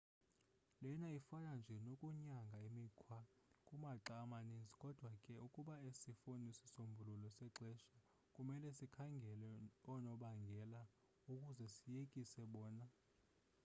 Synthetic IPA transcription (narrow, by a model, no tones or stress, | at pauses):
lɛnaifanand͡ʒʱɛnokʼuɲaŋɡʱaemikʰwa | kʼumaǃamanind͡zʱikʼɔd̥ʱwakʼɛukʼuɓaesifunisisombʱululɔsɛǁʱɛʃa | kʼumɛlɛsikʰaŋɡʱɛlɛɔnɔɓaŋɡʱɛla | ukʼuzɛsijekʼisɛɓɔːna